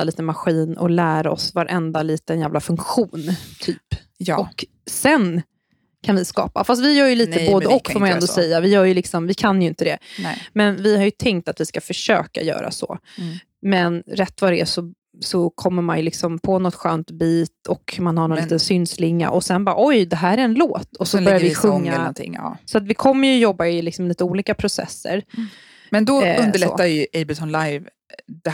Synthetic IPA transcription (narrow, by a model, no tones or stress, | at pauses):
aliːt̪əmaɧiːnɔ̰læːɾaɔ̰svaɾʔɛnd̪aliːt̪ənjæːvlafɵŋkɧuːnt̪ʰyːpː | ɔk | sɛn | kʰanvɪskɑ̰ːpa̰fas̬t̪vɪjœːɾjəliːt̪əboːd̪əɔkːfɔːmanɛnd̪ɔsɛjːavɪjœːɾjɵlɪksɔmvɪkʰanjɵɪnt̪əd̪ɛ̰mɛnvɪhaɾjɵt̪ʰɛŋk̚t̪at̪vɪskafœʂøːka̰jœ̰ːɾa̰sɔ̰ | mɛnɾɛt̪ːvad̪ɛæsɔ | sɔkʰɔmːəɾmanjɵlɪksɔmpʰɔnɔt̪ɧøːnt̪biːt̪ɔkmanhaɾnɔnːt̪ənsʏnslɪŋːa̰ʔɔsɛnbɑːɾʔɔjd̪ɛɦæːɾæɾɛnloːt̪ʰɔsɔbœɾjavɪɧɵŋːaɔt̪ʰɪ̰ŋ̰ːsɔat̪vɪkʰɔmːəɾjɵjɔbːaɪlɪksɔmliːt̪əuːliːkapʰɾʊsɛ̰sːə̰ɾ | mɛnd̪ɔɵnd̪əɭɛ̰ajɵʔebɪt̪ʰɔnlajv | d̪̥ɛ